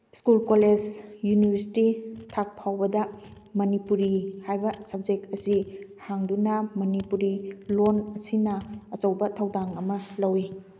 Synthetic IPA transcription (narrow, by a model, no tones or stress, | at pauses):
skulkoled͡ʒjunibʱɐɾsi̥titʰak̚pʰawbɐdɐ | mɐnipuɾihajbɐsɐb̚d͡ʒek̚tɐsihaŋdunɐmɐnipuɾilonɐsinɐɐt͡ʃɐwbɐtʰɐwdaŋɐmɐlɐwi